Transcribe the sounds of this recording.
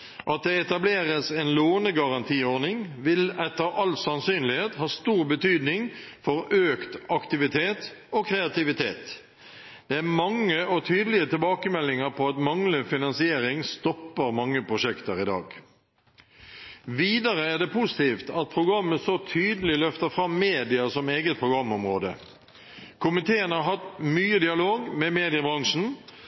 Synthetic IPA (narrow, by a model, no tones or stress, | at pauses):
ʔɑt̪̚d̪ɛɛt̪ɑbleːʁəsɛːnloːnəɡɑʁɑnt̪ʰiːoːʁnɪŋʋɪlɛt̪ːəʁɑlsɑnsyːnlɪheːt̪hɑːst̪uːʁbət̪ʰyːd̪nɪŋfɔʁøːkt̪ʔɑkt̪ɪʋɪt̪ʰeːt̪okʰɾɛɑt̪ɪʋɪt̪ʰḛːt̪ | d̪̥ɛæʁmɑŋːəɔt̪ʰyːd̪əl̩ɪət̪ɪlbɑːkəmɛlːɪŋəʁpʰɔɑt̪mɑŋləfɪnɑnsɪeːʁɪŋst̪ɔpːəʁmɑŋːəpʰʁʊʂɛkt̪əʁɪd̪ɑ̰ːɡ | ʋiːd̪ɑʁəæd̪ɛpʰʊsɪ̥t̪iːft̪ɑt̪̚pʰʁʊɡʁɑmːəsɔt̪ʰyːd̪əlɪlœft̪əfʁɑmːeːd̪ɪɑsɔmeːɡət̪̚pʰʁʊɡʁɑmːɔmʁoːd̪ə | kʰʊmɪt̪ʰeːənhɑɾɦɑt̪myːəd̪ɪɑloːɡmɛmeːd̪ɪəbʁɑŋʂn̩